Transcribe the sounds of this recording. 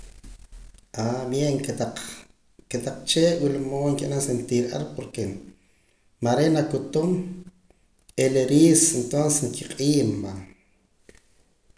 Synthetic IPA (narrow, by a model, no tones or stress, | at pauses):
ʔabjeŋk̪aq | ket̪aq͡χt͡ʃeːʔwilmoːŋkeʔnansent̪iːɾʔa̰ɾpoɾke | maɾenakut̪um | eleɾiːsent̪onsesŋkʰiqʼiːmːa